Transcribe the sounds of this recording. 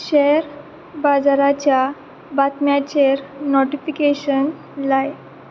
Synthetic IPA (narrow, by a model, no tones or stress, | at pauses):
ɕɛɾ | bad͡zaɾat͡ɕja | bat̪mjat͡ɕeɾnɔʈifikeɕən | laj